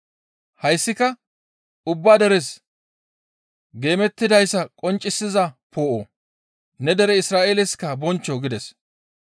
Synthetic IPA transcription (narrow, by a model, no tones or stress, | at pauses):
hɐjsːɪkɐ | ʊbːaːd̪ɛɾɛs | ɡe̞ːmɛt̪ːɪd̪ɐjsːɐkʼɔnt͡ʃʼːɪsːɪzɐpo̞ːʔo | nɛd̪ɛɾɛɪsɾaːʔeːlɪskːɐbɔnt͡ʃːɔɡɪd̪ɛs